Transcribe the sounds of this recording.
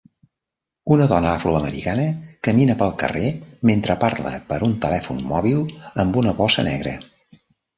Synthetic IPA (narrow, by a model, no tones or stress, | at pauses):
unəðɔnəafɾuəməɾḭkanəkəminəpəlˠkə̰rement̪ɾəparlə̰pəɾunt̪əlɛfunmɔβilˠəmbunəβɔsənɛɣ̞ɾə̰